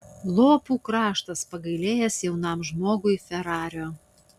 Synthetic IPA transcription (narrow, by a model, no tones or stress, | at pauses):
lˠoːpuːkɾɑːʃt̪ɐspɐɡɐɪlʲeːjɛsjɛʊnɑˑmʒmoːɡʊɪfʲɛɾɑːɾʲoː